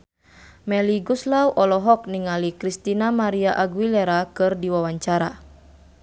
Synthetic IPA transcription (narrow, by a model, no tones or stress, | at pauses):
mɛliɡuslawʔɔlɔɦɔk̚niŋalikɾist̪inamaɾiaʔaɡwilɛɾakɨrdiwawaɲt͡ʃaɾa